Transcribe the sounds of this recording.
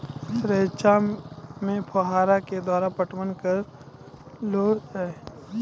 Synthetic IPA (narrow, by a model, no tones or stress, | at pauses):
ɾeːt͡ʃamẽpʰəɦaːɾaked̪waːɾapəʈmənkəɾ | loː